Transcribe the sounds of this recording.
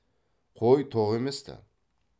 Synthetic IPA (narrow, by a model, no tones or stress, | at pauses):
qʰojt̪ʰoʁe̞mest̪a̰